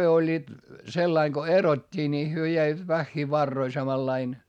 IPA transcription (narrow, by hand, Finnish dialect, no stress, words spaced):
olʲːiːt selːɑiŋ ɡ̊o erotʲːiː ni hyø jæiʋæt ʋæxːiː ʋɑrːoi sɑmɑlːɑin